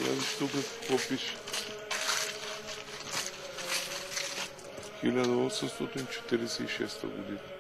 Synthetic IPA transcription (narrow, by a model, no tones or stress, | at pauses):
ja̰ziʃt̪ukaspopiʃ | xilʲad̪aosəmst̪ot̪int͡ʃɛ̥t̪iɾɛsɛiʃɛ̰st̪a̰ɡod̪ina